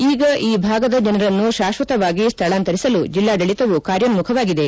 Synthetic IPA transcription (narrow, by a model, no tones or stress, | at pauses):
iːɡɐʔiːbʱaːɡɐd̪ɐd͡ʒɐnɐɾɐnːuʃaːʃʋɐt̪ɐʋaːɡist̪ʰɐɭaːnt̪ɐɾisɐlud͡ʒilːaːd̪ɐɭit̪ɐʋukaːɾjɐnmukʰɐʋaːɡid̪e̞